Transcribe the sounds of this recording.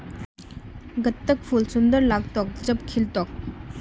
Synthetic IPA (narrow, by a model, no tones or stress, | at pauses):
ɡət̪ːək̚pʰulsund̪ərlak̚t̪ok̚d͡ʑəp̚kʰilt̪ok̚